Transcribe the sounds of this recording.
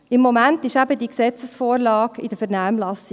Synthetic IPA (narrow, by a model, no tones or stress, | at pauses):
ɪmːɔmæntɪʃæbəd̪iksɛt͡səsfoːɾlɑːkid̥̪əfəɾnæːmlɑsi